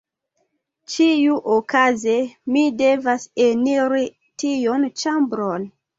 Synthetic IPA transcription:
t͡ʃijuʔokazemide̞vaseniɾi | tijont͡ʃambɾon

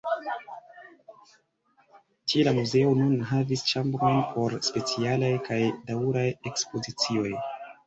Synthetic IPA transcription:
tielamuze̞onunɦavist͡ʃambɾo̞jnpʰo̞ɾspe̞t͡sialajkajdauɾaje̞kspo̞zit͡sio̞j

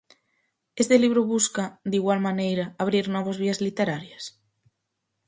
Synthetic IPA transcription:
est̪eliβɾʊβuskɐd̪iɣwalmanejɾaaβ̞ɾiɾnɔβ̞azβiɐzlit̪eɾaɾjɐs

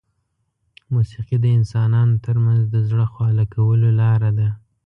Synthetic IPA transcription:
musiqid̪əɪnsɑnɑnot̪əɾmanzd̪əzɽəxwɑlakawəlolɑɾad̪a

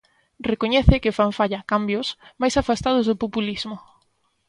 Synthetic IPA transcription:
rekoɲɛθɪkɪfaɱfaʎakambjʊsmajsafast̪að̞ʊzðʊpopuliz̥mʊ

